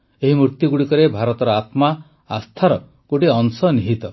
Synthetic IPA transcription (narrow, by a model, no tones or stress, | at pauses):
eɦimɾuɾt̪juɡuɽikɔɾebʱaɾɔt̪ɔɾɔat̪ma | a̰st̪ʰaɾɔ | koʈiɔŋsɔniɦit̪ɔ